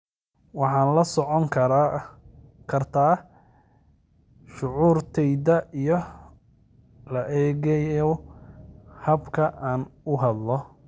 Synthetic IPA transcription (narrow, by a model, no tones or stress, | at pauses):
wɑħɑːnlɐsɔʕɔŋʰ | kʰɐrt̪ʰaː | ʃʊʕuːrt̪ʰɛjðɐijɔ | lɐʔɛːɣɛjɔ | hɐbkʰɐʔaːnʊɦɐd̪lɔ